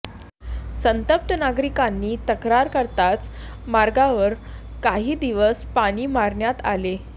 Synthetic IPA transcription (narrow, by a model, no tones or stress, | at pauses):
sənt̪əp̚t̪ənaɡɾikanːiːt̪əkɾaɾkəɾt̪at͡s | maɾɡaʋəɾ | kaɦiːd̪iʋəspaɽ̃iːmaɾɳjat̪ale